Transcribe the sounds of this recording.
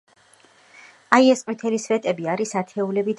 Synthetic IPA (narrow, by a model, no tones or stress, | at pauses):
aiɛsqʼwit̪ʰɛlisvɛt̪ʼɛbiaɾisat̪ʰɛulɛbid̪